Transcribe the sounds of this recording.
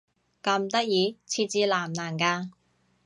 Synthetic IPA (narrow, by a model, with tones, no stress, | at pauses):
kɐ˧mt̪ɐ˥k̚jiː˨˧t͡sʰiː˧t͡siː˧laː˨˩mnaː˨˩nkaː˧